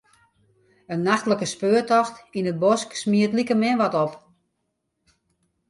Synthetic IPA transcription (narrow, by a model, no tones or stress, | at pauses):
ənːaxtləkəspøːtɔxtinət̚bɔsksmiətlikəmɛnʋɔtɔp